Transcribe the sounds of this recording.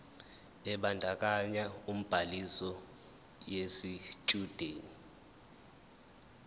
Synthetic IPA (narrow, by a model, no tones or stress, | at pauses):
ɛɓandʱak̬ʼaɲaum̩b̥ʱalisɔ | jesit͡ʃʼud̥ʱeːni